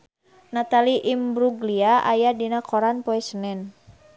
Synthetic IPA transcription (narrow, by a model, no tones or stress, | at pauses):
nat̪aliʔimbɾuɡliaa̰jadinakʰɔɾanpɔɛsənɛn